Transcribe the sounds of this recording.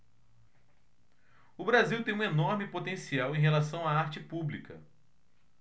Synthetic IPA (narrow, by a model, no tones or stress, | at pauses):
ʊbɾaziwt̪ẽj̃ũenoɾmɪpot̪ẽsiawẽj̃ɦelasɐ̃w̃aaɾt͡ʃɪpublikɐ̰